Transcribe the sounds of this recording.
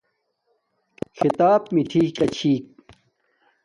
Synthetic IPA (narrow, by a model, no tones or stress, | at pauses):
xʰit̪aːpmiʈʰiːkɐt͡ɕʰiːk̚